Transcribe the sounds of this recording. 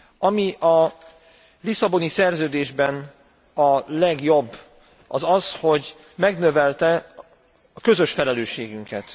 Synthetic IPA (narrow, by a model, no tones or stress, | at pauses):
ʔɒmiʔɒ | lisɒbo̞nisɛrzøːd̪eːʒbɛn | ɒlɛɡjo̞bː | ʔɒzɒsho̞ɟ | mɛɡnø̞vɛlt̪ɛ | ɒkø̞zø̞ʃfɛlɛløːʃːeːɡyŋkɛt̪